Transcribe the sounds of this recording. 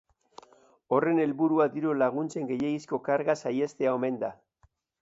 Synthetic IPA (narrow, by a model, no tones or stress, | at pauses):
o̞re̞ne̞lβuɾuad̪iɾolaɣ̞unt͡se̞ŋɡe̞jeɣisko̞kaɾɣasaje̞st̪eao̞me̞nd̪a